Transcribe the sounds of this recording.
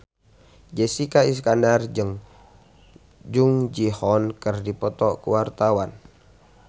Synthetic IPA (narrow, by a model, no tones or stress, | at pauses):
d͡ʒɛsikais̬kandard͡ʒəŋ | d͡ʒuŋd͡ʒihɔnkərdipɔt̪ɔʔkuwart̪awan